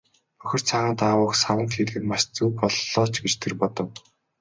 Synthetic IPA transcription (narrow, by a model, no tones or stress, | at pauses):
œxʲɪ̆r̥t͡sʰaʁaːnt̪awʊːksawə̆nt̪xeɮɣɘ̆nmaʃt͡suːpɔɮːɔːt͡ɕɡet͡ɕt̪ʰerpɔt̪ɞ̆w